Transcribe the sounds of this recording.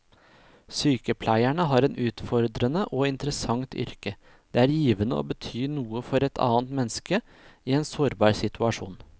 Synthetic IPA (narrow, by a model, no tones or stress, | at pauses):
syːkəpʰlæɪæɳəɦɑːɾɛnʔʉːt̪fɔɾd̪ɾənəʔoːɪnt̪əɾəsɑŋt̪ʰʏ̰ɾkə | d̪̥eːæːɾjiːʋənəʔo̰ːbət̪ʰyːnuːəfɔɾɛt̪ʰɑ̰ːnt̪mɛnːskə | iːɛːnsoːɾbɑːɾsɪt̪ʰʉɑʂṵːn